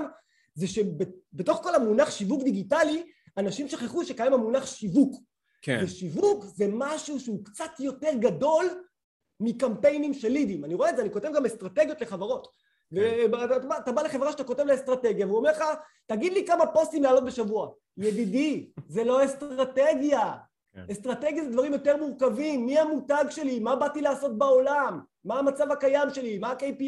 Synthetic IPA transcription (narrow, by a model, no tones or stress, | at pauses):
m | zeʃebebeto̞χko̞lamunaχʃivukd̪iɡitali | anaʃimʃoχeχuʃekajamamunaχʃivuk | kveʃivukze̞maʃuʃeukt͡sat̪jo̞teʁɡado̞l | mikampe̞jnimʃelːid̪imaniʁoetdzeaniko̞tevɡamestʁateɡjo̞t̪le̞χavaʁo̞t | veatatabaːtabale̞χe̞vʁaʃet̪ako̞te̞vleestʁateɡjaveuomeʁχa | taɡid̪likamapost̪imlaːlo̞t̚be̞ʃavua | jedidizelo̞est̪ʁʁate̞ɡja | est̪ʁate̞ɡjazed̪vaʁimjo̞teʁmuʁkavimːiamutaɡʃe̞limabatilaːso̞t̚bao̞lamː | aːmat͡savakajamʃe̞limaːkejpi